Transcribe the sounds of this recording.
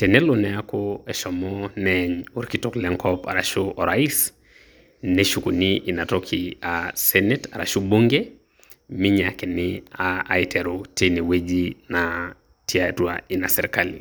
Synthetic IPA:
tɛnɛlɔnɛakɔɛʃɔmɔnɛɲuɾkitɔklɛŋkʰɔpa̰ɾaʃɔʔɔɾais | nɛʃukuniʔinatɔkʰiasɛnɛtaɾa̰ʃuɓuŋɡɛ | miɲakɛnia̰ːitʰɛɾutinɛwed͡ʒina | tʰiatua̰inasɛɾikalḭ

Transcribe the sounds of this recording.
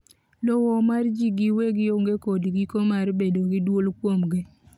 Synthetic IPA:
lɔwɔmard͡ʒiɡiweɡɪoŋɡekodɡikomarbedoɡɪdwolkwomɡɪ

